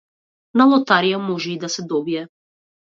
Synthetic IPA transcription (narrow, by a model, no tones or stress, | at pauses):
nalˠɔt̪aɾijamɔʒɛid̪asɛd̪ɔbiɛ